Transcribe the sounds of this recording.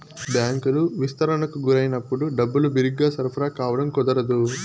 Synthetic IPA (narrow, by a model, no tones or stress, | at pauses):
bjaːŋkuluʋist̪ɐɾɐɳɐkuɡuɾɐjɐnɐpːuɽuɖɐbːulubiɾiɡaːsɐɾpʰɐɾaːkaːʋɐɽɐmkɔd̪ɐɾɐd̪u